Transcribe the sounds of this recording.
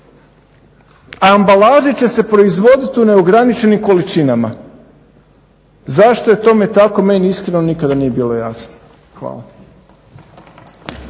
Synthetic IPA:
aːmbalaːʒit͡ɕe̞se̞pɾo̞izʋo̞d̪it̪iune̞oɡɾanit͡ʃe̞nimko̞lit͡ʃinama̰ | zaʃt̪o̞jet̪o̞me̞t̪ako̞me̞niiskɾe̞no̞nikad̪anije̞biːlo̞ja̰sno̥ | xʋa̰ːla

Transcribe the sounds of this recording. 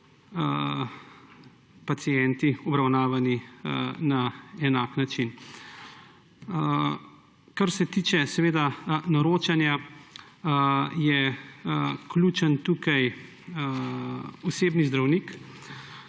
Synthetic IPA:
pat̪sijɛnt̪iɔbɾawnaːʋaninaɛnaːknat͡ʃin | kaɾsɛt̪iːt͡ʃɛsɛʋeːd̪anɔɾoːt͡ʃanja | jɛ | kluːt͡ʃənt̪uːkaj | ɔseːbnizd̪ɾawnik

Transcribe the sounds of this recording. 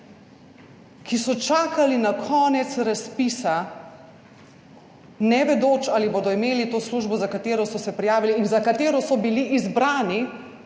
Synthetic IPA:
kisɔt͡ʃaːkalinakʰɔːnɛt̪sɾaspiːsa | nɛʋɛd̪oːt͡ʃaːliboːd̪ɔimeːlit̪oːsluʒbɔzakat̪eːɾɔsɔsɛpɾijaːʋiliːnzakat̪eːɾɔsɔbiliʔːzbɾaːni

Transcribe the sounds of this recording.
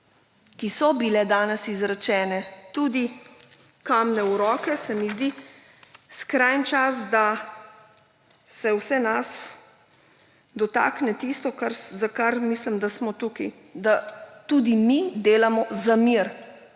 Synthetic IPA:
kisɔbilɛd̪aːnɛsizɾat͡ʃɛːnɛt̪uːd̪i | kamnɛuɾɔːkɛsɛmizd̪i | skɾajnt͡ʃasd̪a | sɛwsɛnas | d̪ɔt̪a̰ːknɛt̪ist̪ɔkaɾzakaɾmislimd̪asmɔt̪uki | d̪at̪ud̪imid̪eːlamɔzamiɾ

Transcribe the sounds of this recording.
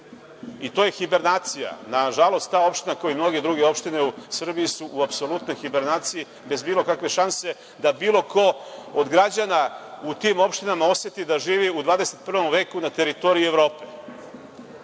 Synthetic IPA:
it̪o̞ːje̞xibe̞ɾnaːt̪sija̰naʒalˠo̞st̪t̪aːo̞pʃt̪inako̞jimno̞ɡed̪ɾuɡeo̞pʃt̪ine̞usr̩biisuʔːapso̞lut̪no̞jxibe̞ɾnaːt̪siji | be̞zbiːlˠo̞kakʋe̞ʃanse̞ | d̪abiːlˠo̞ko̞od̪ɡɾad͡ʑanaut̪imo̞pʃt̪inamao̞sje̞t̪id̪aʒiːʋiud̪ʋaːd̪ese̞t̪̚pr̩ʋo̞mʋe̞ːkunat̪e̞ɾit̪o̞ɾiuevɾo̞ːpe

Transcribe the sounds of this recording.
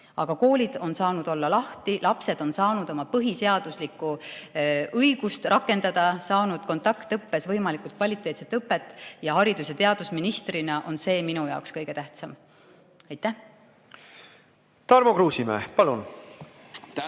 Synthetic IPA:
ɑɡ̥ɑko̞ːlʲid̪̥o̞nsɑːnud̪̥o̞lːɑlɑht̪ilɑpse̞d̪̥o̞nsɑːnud̪̥o̞mɑpɤɦise̞ɑd̪̥uslikːu | ɤjɡ̥ust̪rʔɑkːˑe̞nd̪̥ɑd̪̥ɑsɑːnud̪̥ko̞nt̪ˑɑkt̪ːɤpːe̞svɤjmɑlikult̪̚kvɑlʲit̪ːˑe̞ːt̪set̪ːˑɤpːe̞t̪ːˑjɑɦɑɾid̪̥uset̪e̞ɑd̪̥usminist̪rinɑʔo̞nse̞ːminujɑ̰okskɤjɡ̥e̞t̪æht̪sɑm | ɑjt̪ːˑæh | t̪ɑrmokɾuːsimḛhpɑlun

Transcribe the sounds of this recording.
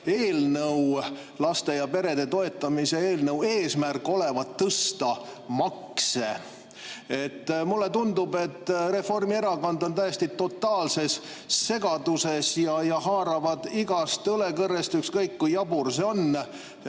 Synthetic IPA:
e̞ːlnɤw | lɑst̪e̞jɑpe̞ɾe̞d̪e̞t̪o̞e̞t̪ːˑɑmise̞eːlnɤwe̞ːsmærkːˑo̞le̞vɑt̪ːɤst̪ɑmɑkse | et̪ːmulːe̞t̪und̪ube̞t̪ːre̞fo̞rmie̞ɾɑkond̪o̞nt̪æjest̪it̪o̞t̪ːˑɑːlse̞sː | e̞ɡ̥ɑd̪̥use̞sjɑjɑɦɑːɾɑvɑd̪̥iɡ̥ɑst̪ɤle̞kɤrːest̪ykskɤjkːujjɑburso̞nː

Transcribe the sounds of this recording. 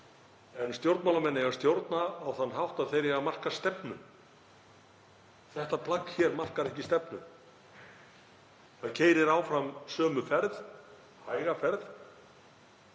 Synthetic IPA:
ɛnst̪jowɾt̪mawlamɛnːɪɣast̪jowɾt̪naːwθanːɦawht̪aðθejɾjɛɣamar̥kḁst̪ɛpnʏ̰m | θɛht̪apʰlakçɛɾmar̥kaɾɛhcɪst̪ɛpnʏm | θaðcʰeːjɾɪɾaːwfɾamsœːmʏfɛɾð | haːjɣafɛɾð

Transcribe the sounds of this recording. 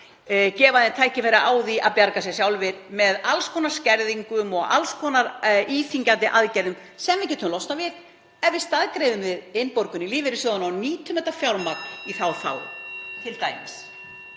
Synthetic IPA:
cɛːvaðɪnt̪ʰaːjcɪfɛɾaʔaːwðiʔa̰pjaɾkas̬ɛsjawlvɪɾmɛðalskʰɔnḁscɛɾðiŋkʏmɔɣa̰lskʰɔnaɾiːθiɲcant̪ɪʔaðcɛjɾðʏm | sɛmvɪcɛːt̪ʰʏmlɔwst̪avɪk | ɛvɪst̪aðkɾejðʏmvɪðɪnpoɾkʏniliːvɪɾɪsɔðanawniːt̪ʰʏmɛt̪ḁfjawɾmaɾiθawθa̰wt̪ʰɪlt̪aːjmɪs

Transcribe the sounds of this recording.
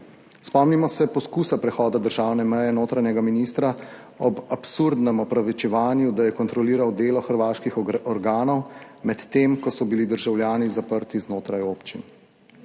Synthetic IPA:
spɔmnimɔsɛpɔskuːsapɾɛxɔːd̪ad̪əɾʒaːwnɛmɛjɛnoːt̪ɾanɛɡaminist̪ɾa | ɔbapsuɾd̪nɛmɔpɾaʋit͡ʃɛʋaːnjud̪ajɛkɔnt̪ɾɔliːɾawd̪eːlɔxəɾʋaːʃkixɔɾɡaːnɔwmɛt̪ːemkɔsɔbilid̪əɾʒawljaːnizapəɾt̪iznoːt̪ɾajoːpt͡ʃin

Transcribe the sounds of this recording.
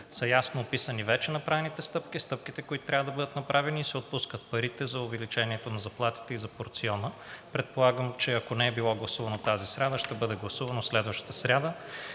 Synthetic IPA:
sɐjasnoːpisənivɛt͡ʃɛnɐpɾavɛnit̪ɛst̪ɤpkist̪ɤp̚kit̪ɛkoit̪ʊt̪ɾavəd̪ɐbɤd̪ət̪nɐpɾʔavɛniːsɛot̪̚puskət̪̚pɐɾit̪ɛzɐʊvɛlit͡ʃɛniɛt̪onɐzɐplˠat̪i̥t̪ɛizɐpoɾt̪siɔnə | pɾɛt̪̚polˠaɡəmt͡ʃɛɐkonɛɛbilˠɔɡlˠɐsuvɐnot̪azisɾʲad̪əʃt̪ɛbɤd̪ɛɡlˠɐsuvɐnoslɛd̪vəʃt̪ə̥t̪əsɾʲad̪ə

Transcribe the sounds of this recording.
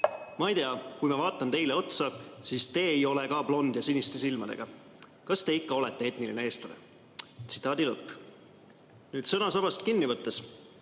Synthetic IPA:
mɑijt̪eɑkujmɑvɑːt̪ːˑɑnt̪e̞jle̞o̞t̪sɑsiːst̪e̞ːejo̞lekɑplo̞nd̪jɑsinist̪esilmɑd̪e̞ɡ̥ɑ | kɑst̪e̞ikːɑo̞lɛt̪ːe̞e̞t̪nilineeːst̪lɑnḛ | t̪si̥t̪ːˑɑːd̪ilɤpːˑ | nyːd̪sɤnɑsɑb̥ɑst̪kinːivɤt̪ːˑes

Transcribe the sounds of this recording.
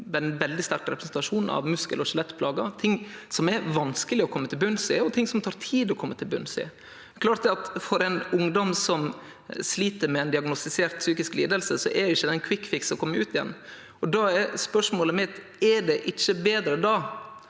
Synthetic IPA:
dɛnʋɛld̪ɪst̪æɾkɾɛpɾəsn̩t̪ɑʂuːnn̩ɑ̰ʋmʉskəlɔʃɛlɛt̪ːpʰlɑːɡɑt̪ʰɪŋːsɔmɛɾʋɑnskəlɪɔkʰɔmːət̪ʰɪlbʉnsɪːɔt̪ʰɪŋːsɔmt̪ʰɑːɾt̪ʰiːd̪ɔkʰɔmːət̪ʰɪlbʉnːsɪ̰ | kʰlɑːɾt̪̚d̪ɛɑt̪fɔɾɛɪnʊŋd̪ɔmsɔm | sliːt̪əɾmɛɛnd̪ɪɑɡnɔst̪ɪseːɾt̪syːkɪsklḭːd̪əlsəsɔʔɛdɪçːəd̪ɛnkʰʋɪkːfɪksɔkʰɔmːəɾʉːt̪ɪjɛ̰nː | ɔd̪ɑɛɾspœʂmoːləmɪt̪ | ɛɖɛʔɪt͡ʃːəbeːd̪ɾəd̪ɑː

